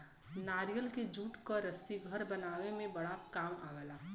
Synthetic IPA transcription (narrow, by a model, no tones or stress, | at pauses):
naːɾijəlked͡ʒʱuːʈkɔɾəst̪iɡʱəɾbənaːwemẽbɐɽakaːmaːɡəlaː